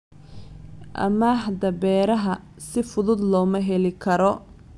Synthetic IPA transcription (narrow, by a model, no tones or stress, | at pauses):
ʔɐ̰maːħd̪ɐbɛːɾɐɦɐ | sɪfʊðʊd̪lɔːmɐɦɛlɪkʰɐɾɔ